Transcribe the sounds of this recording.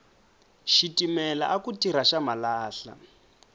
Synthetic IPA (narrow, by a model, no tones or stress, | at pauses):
ʃitimɛla̰ʔakutiɾaʃamalaːɬa̰